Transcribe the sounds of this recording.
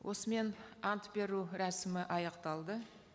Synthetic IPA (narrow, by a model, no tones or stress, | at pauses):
wʔo̞səme̞nɑnt̪be̞ɾuɾæsɪmɪʔɑjɑqt̪ɑlˠd̪ə